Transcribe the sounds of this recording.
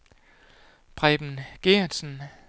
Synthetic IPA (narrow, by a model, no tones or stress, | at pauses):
b̥ʰʁɛb̥n̩ɡ̥eɐ̥sn̩